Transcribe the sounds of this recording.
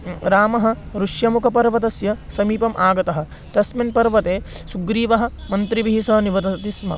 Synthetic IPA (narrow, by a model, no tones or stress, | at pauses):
ɾaːmɐɦɐ̆ | ɾuʂjɐmukʰɐpɐɾʋɐt̪ɐsjɐsɐmiːpɐmʔaːɡɐt̪ɐɦɐ̆ | t̪ɐsminpɐɾʋɐt̪eː | suɡɾiːʋɐɦɐ̆mɐnt̪ɾiʋiɦisɐniʋɐt̪ɐt̪ismɐ̰